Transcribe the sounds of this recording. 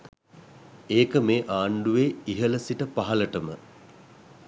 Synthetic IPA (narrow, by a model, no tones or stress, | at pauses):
eːkəmeːʔaːɳɖuʋeːiɦələsiʈəpaɦaləʈəmə